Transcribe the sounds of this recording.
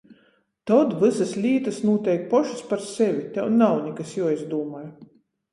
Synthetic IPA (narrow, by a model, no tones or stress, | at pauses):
t̪ɔd̪vɨsaslʲiːt̪asnuɔt̪ʲɛjk̚pɔʃu̥spaɾsɛvʲit̪ʲɛwnawnʲikasjuizd̪uːmɔj